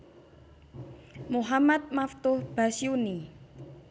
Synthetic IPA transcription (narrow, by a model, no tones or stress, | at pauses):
muɦamat̪̚maft̪ʊhb̥a̤siuni